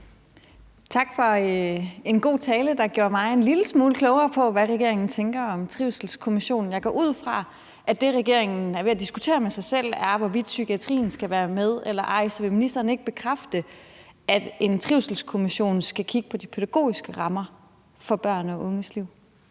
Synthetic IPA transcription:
t͡sʰɑ̈ɡ̥fɒ̽ | e̝nɡ̥o̝̰ːt͡sʰɛːləd̥ɑ̈ɡ̥jo̝ɐ̰mɑ̈ɪe̝nliləsmuːləkʰlɔʊɐːpʰɒ̽ʋæʁɛɡ̥e̝ɐ̰e̝ŋn̩t͡sʰeŋɡ̥ɐɒ̽mt͡sʰʁiʊsl̩skʰo̝miɕo̝̰ːnn̩jɑ̈ɪɡʰɒ̰ːʔuð̞̰ˠfʁɑ̈ | ʔæd̥e̝ʁɛɡ̥e̝ɐe̝ŋn̩æɐʋe̝æd̥isɡ̥ut͡sʰe̝̰ːɐmesɑ̈ɪsel̰æɐʋɒʋid̥sykʰiæt͡sʰʁḭːn̩sɡ̥æʋæːɐmeð̞ˠelɐʔɑ̈ɪ̰sɒʋe̝minisd̥ɐːne̝ɡ̥̚b̥e̝kʰʁafd̥ə | æd̥e̝nt͡sʰʁiʊsl̩skʰo̝miɕo̝̰ːnsɡ̥ækʰiɡ̥əpʰɒ̽d̥ipʰeð̥æɡ̥o̝̰ːisɡ̥əʁɑ̈mɐ | fɒ̽b̥ɶɐ̰nɒ̽ʔɔ̽ŋəsliʊ̰

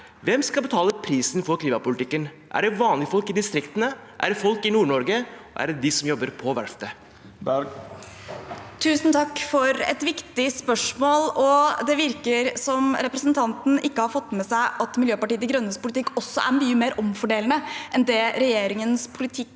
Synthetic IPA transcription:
ʋɛmskɑlbət̪ʰɑːləpʰɾiːsnfɔɾkʰliːmɑpʊlɪt̪ɪkːən | ʔæ̰ɖɛʋɑːnlɪfɔlkɪd̪ɪst̪ɾɪkt̪ənəʔæ̰ɖɛfɔlkɪnuːɳɔɾɡəɔæ̰ɾɛd̪ɪsɔmjɔbːəɾpʰɔʋæ̰ɾft̪ə | t̪ʰʉːsnt̪ʰɑkːfɔɾɛ̰t̪ʋɪkt̪ɪspœʂmoːlɔd̪ɛʋɪɾkəɾsɔmɾɛpɾəsnt̪ʰɑnt̪n̩ʔɪkːəhɑɾfɔt̪ːmɛsæɪʔɑt̪mɪljøːpɑʈiːət̪ɪɡɾœnːəspʰʊlɪt̪ɪkːɔsːɔʔæ̰ɾmyːəmeːɾʔɔmfɔɖeːln̩əʔɛnd̪ɛɾɛjeːɾɪŋənspʰʊlɪt̪ʰɪkː

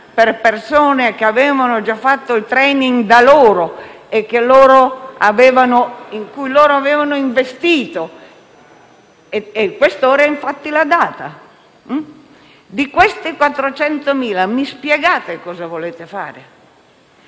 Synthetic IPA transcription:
perpersoːnek̟eaveːvanod͡ʒafːat̪ːoilt̪ɾɛːniŋɡd̪aloːɾo | ekːelːoːɾoaveːvanoiŋkujloːɾoaveːvanoiɱvest̪iːt̪o | eekːwest̪oːɾaiɱfat̪ːilad̪aːt̪a̰ | d̪ikwest̪ikwat̪ːɾot͡ʃɛnt̪omiːlamispjɛɡaːt̪ekɔːzavoleːt̪efa̰ːɾe

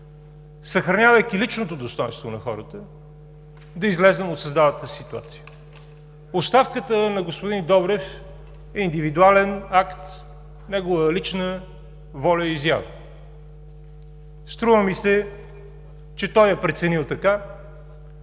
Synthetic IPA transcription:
səxɾɐnʲavəjkilit͡ʃnot̪od̪ost̪ɔjɛ̰̃nst̪vonɐxɔ̰ɾət̪ə | d̪ɐizlɛzɛmot̪sɐzd̪adət̪əsit̪ua̰t̪si̥jə | ost̪afkət̪ənɐɡospʊd̪ind̪ɔbɾɛf | ɛind̪ivid̪ualɛnakt̪ | nɛɡovəlit͡ʃnə | vɔlʲəizja̰və̰ | st̪ɾuvəmisɛ | t͡ʃɛt̪ɔjɛpɾɛt̪sɛnilˠt̪ɐka

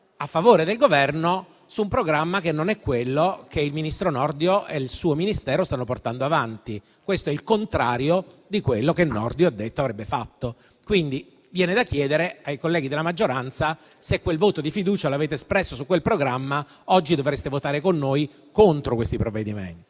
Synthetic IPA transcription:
afːavoːɾed̪elɡovɛrno | suːmpɾoɡɾamːakenːonɛkːwelːokeilminist̪ɾonɔrd̪joelsuːominist̪ɛːɾost̪anːoport̪and̪oavant̪i | kwest̪oɛilkont̪ɾaːɾjod̪ikwelːokenːɔ̰rd̪joad̪ːet̪ːoavɾɛbːefat̪ːo | kwind̪i | vjɛːned̪akːjɛːd̪eɾeajkolːɛːɡid̪elːamad͡ʒːoɾant̪sa | sekːwelvoːt̪od̪ifid̪uːt͡ʃaloaveːt̪̬eːspɾɛsːosukːwelpɾoɡɾamːa | ɔd͡ʒːid̪ovɾest̪evot̪aːɾekonːoːj | kont̪ɾokwest̪ipɾovːed̪imḛnt̪i

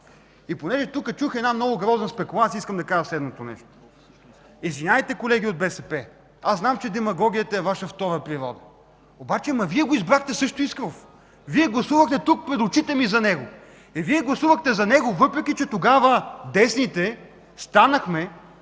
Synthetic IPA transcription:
iponɛʒɛt̪ukət͡ʃuxɛd̪namnɔɡʊɡɾɔznəspɛkulˠasʲiskəmd̪ɐkaʒəslɛd̪not̪onɛ̰ʃt̪o̥ | izvinʲavit̪ɛkolɛɡʲiod̪bɛsɛpɛ | aznamt͡ʃɛd̪ɛmɐɡɔɡʲijət̪ɐɛvaʃəft̪ɔɾəpɾiɾɔ̰d̪ə | obat͡ʃɛmɐviɛɡoizbɾaxt̪ɛsɤʃt̪oiskɾof | viɛɡlˠɐsuvɐxt̪ɛt̪uk̚pɾɛd̪ʊt͡ʃit̪ɛmizɐnɛɡo | ɛviɛɡlˠɐsuvɐxt̪ɛzɐnɛɡʊvɤpɾɛk̟ʲit͡ʃɛt̪oɡavəd̪ɛsnit̪ɛ | st̪anəxmɛ

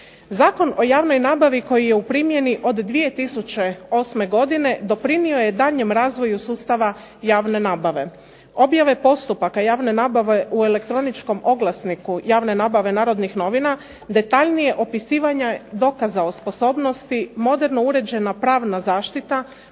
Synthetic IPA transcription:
zaːko̞no̞jaːʋno̞jnaːbaʋiko̞jijeupɾimje̞niʔo̞d̪ːʋije̞t̪isut͡ʃe̞o̞ːsme̞ɡo̞d̪ine̞d̪o̞pɾinio̞je̞d̪aʎɲe̞mɾaːzʋo̞jusuːst̪aʋa | jaːʋne̞naːbaʋe̞ | o̞bjaʋe̞po̞st̪upakajaːʋne̞naːbaʋe̞ʔue̞le̞kt̪ɾo̞nit͡ʃko̞mo̞ɡlˠasnikujaːʋne̞naːbaʋe̞naːɾo̞d̪nixno̞ʋina | d̪e̞t̪aʎnije̞ʔo̞pisiːʋaɲad̪o̞kazao̞spo̞so̞ːbno̞st̪imo̞d̪e̞ɾno̞uɾed͡ʑe̞napɾaːʋnazaːʃt̪it̪a

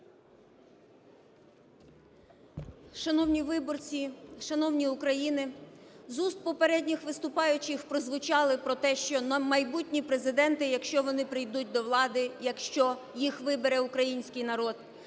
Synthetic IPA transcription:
ʃɐnɔwnʲiʋɪbɔrt͡sʲiʃɐnɔwnʲiʊkɾɐjinɪzust̪̚pɔpeɾɛdʲnʲixʋɪst̪ʊpɑjʊt͡ʃɪxpɾɔzʋʊt͡ʃɑlˠɪpɾɔt̪ɛʃt͡ʃɔmɐjbutʲnʲipɾe̞zɪd̪ɛnt̪ɪjɐkʃt͡ʃɔʋɔnɪpɾɪjd̪ut̚ʲd̪ɔʋlˠɑd̪ɪjɐkʃt͡ʃɔ | jixʋɪbeɾɛʊkɾɐjinʲsʲkɪjnɐɾɔd̪̥

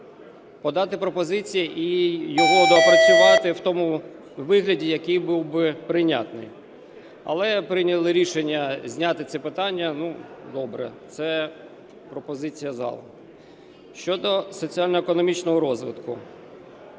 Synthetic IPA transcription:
pɔd̪ɑt̪ɪpɾɔpɔzɪt͡sʲijiʔijɔɦɔd̪ɔːpɾɐt͡sʲʊʋɑt̪ɪwt̪ɔmu | ʋɪɦlʲɐdʲijɐkɪjbuwbɪpɾɪnʲa̰t̪nɪ̰j | ɐ̰lˠɛpɾɪnʲɐlˠɪɾʲiʃenʲːɐzʲnʲat̪ɪt̪sɛpɪt̪ɑnʲːɐnud̪ɔbɾɛ̰t̪sɛ | pɾɔpɔzɪt͡sʲijɐzɑ̰lˠ | ʃt͡ʃɔd̪ɔsɔt͡sʲialʲnɔekɔnɔmʲit͡ʃnɔɦɔɾɔzʋɪ̰t̪kʊ

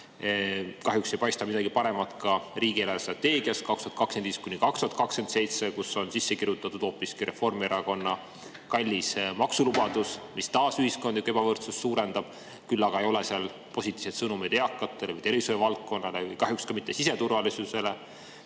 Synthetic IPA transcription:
kɑɦjukse̞jpɑjst̪ɑmid̪ɑɡipɑɾe̞mɑt̪kɑɾiːɡielɑst̪rɑt̪ːe̞ːɡ̥iɑst̪̚kɑkst̪uhɑt̪kɑkskend̪iːst̪̚kunikɑkst̪uɑt̪kɑkske̞nt̪se̞jt̪sekusːo̞nsisːe̞kiɾjut̪ːˑɑt̪ːud̪̥o̞ːpːˑiskiɾʔe̞fo̞rmieɾɑko̞nːɑ | kɑlʲːismɑksulub̥ɑd̪̥usmist̪ɑːsyhisko̞nd̪yke̞b̥ɑvɤrt̪susːuːɾe̞nd̪̥ɑb̥ | kylːɑɡ̥ɑejo̞le̞seɑl | po̞sʲit̪ʲːˑiːvset̪sɤnumid̪eɑkːˑɑt̪ːˑeleɯjt̪e̞ɾvisujɑvɑlt̪̚ko̞nːɑle̞ɯjkɑɦjukskɑmit̪ˑːe̞sise̞t̪urvɑlisuse̞le̞

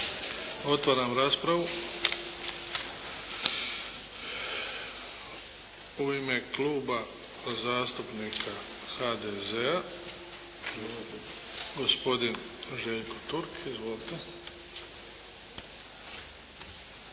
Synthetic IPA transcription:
o̞t̪ʋaɾamɾaːspɾaʋu | uiːmekluːba | zaːst̪upnikʰa | xad̪ezea | ɡo̞spo̞d̪in | ʒeʎkot̪uɾkʰizʋolit̪e

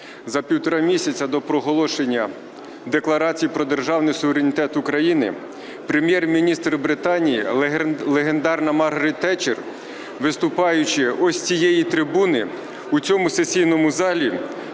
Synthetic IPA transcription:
zɐpʲiwt̪ɔɾɑmʲisʲɐt͡sʲɐd̪ɔpɾɔɦɔlˠɔʃenʲːɐ | d̪eklˠɐɾɑt͡sʲijipɾɔd̪erʒɑwnɪjsʊʋeɾenʲit̪ɛt̪ʊkɾɐjinɪ̰ | pɾemʲjɛrmʲinʲist̪ɾbɾɪt̪ɑnʲijilˠeɦend̪ɑrnɐmɑrɦɐɾitt̪ːɛt͡ʃer | ʋɪst̪ʊpɑjʊt͡ʃɪɔsʲt͡sʲijɛjit̪ɾɪbunɪ | ut͡sʲɔmʊsesʲijnɔmʊzɑlʲi

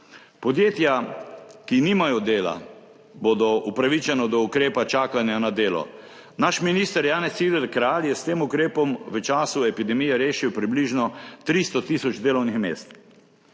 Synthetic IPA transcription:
pɔd̪jeːt̪jakiniːmajɔd̪eːla̰ | boːd̪ɔupɾaʋit͡ʃɛnɔd̪ɔukɾeːpat͡ʃaːkanjanad̪eːlɔ̰ | naʃminist̪əɾjaːnɛsid̪ɛlkɾaːljɛst̪eːmukɾeːpɔmʋət͡ʃaːsuɛpid̪ɛmijɛɾeːʃiwpɾibliːʒnɔt̪ɾist̪ɔt̪iːsɔd͡ʒd̪eːlɔwnixmḛːst̪

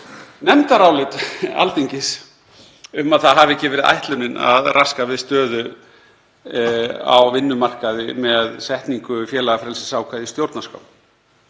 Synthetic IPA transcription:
nɛmt̪aɾaːwlɪt̪a̰lt̪iɲcɪs | ʏmaðθaðɦavɛcːɪvɛːɾɪðʔa̰jht̪lʏnɪna̰ðrʔaskavɪðst̪œːðʏ | a̰wvɪnːʏmar̥kaðɪmɛðsɛht̪niŋkʏfjɛːlaɣafɾɛlsɪ̥saːwkʰajðɪst̪jowɾt̪naska̰wm

